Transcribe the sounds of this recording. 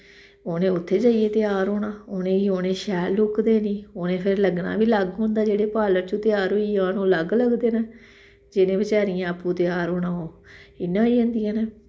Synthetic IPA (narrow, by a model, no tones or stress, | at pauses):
oːnẽːʊt̪ʰːeːd͡ʒaːijeːt̪ɪjaːɾɦoːɽaːoːnẽːiːoːnẽːʃɛːlʊkd̪eːnĩːoːnẽːpʰɪɾləɡna̰ːbiːləɡɦõːnd̪aːd͡ʒeːɽeːpaːləɾt͡ʃot̪ɪjaːɾɦoːiːãːnũːləɡləɡd̪eːnaː | d͡ʒɪnẽːbɪt͡ʃaːɾijãːəpːũːt̪ɪjaːɾɦoːnãːoːɪnːãːiːɦõːnd̪ijãːneː